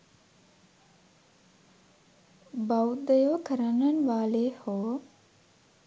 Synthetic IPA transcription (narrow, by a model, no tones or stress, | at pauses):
bawd̪əjoːkʰəɾənənʋaːleːhoː